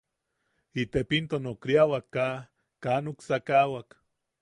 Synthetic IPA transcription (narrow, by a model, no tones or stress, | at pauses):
it̪epint̪onokɾiawakːa | kaːnuksakawak